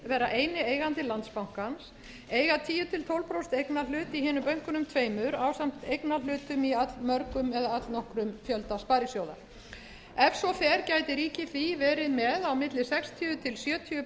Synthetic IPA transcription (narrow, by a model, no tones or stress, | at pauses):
vɛːɾaʔejnɪeːjɣant̪ɪlant̪spawŋ̥kans | eːjɣat̪ʰiːjʏt̪ʰɪlt̪ʰowlpɾowst̪ejknalʏːt̪iɦɪːnʏmpœɥŋ̥kʏnʏmt̪ʰveːjmʏɾaːwsam̥t̪ejknalʏːt̪ʏmiat̪lmœɾkʏmɛðaat̪lnɔhkɾʏmfjœlt̪aspaːɾjɪsjowða̰ | ɛfsɔfɛːɾcaːjt̪ɪɾiːcɪθivɛːɾɪðmɛðawmɪt̪lɪsɛkst̪ʰiʏt̪ʰɪlsjœːt̪ʰiʏ